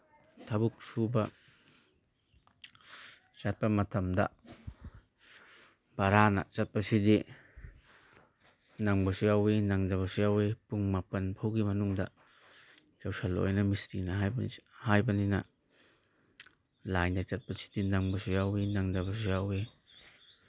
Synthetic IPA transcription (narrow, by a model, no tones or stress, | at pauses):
t̪ʰabuk̚subɐ | t͡ʃɐt̚pɐmɐt̪ʰɐmdɐ̰ | b̥aɾanɐ̰t͡ʃɐt̚pɐsidi | naŋbɔsiawenaŋdabɐsiawepuŋmapɐnpʰawkimɐnuŋd̪a̰ | jawsalɔ̰jnɐmistinaɦajbhajbɐnina | lajndat͡ʃɐt̚pɐsi̥dinaŋbɔsiawinaŋdɐbɐs̬iawe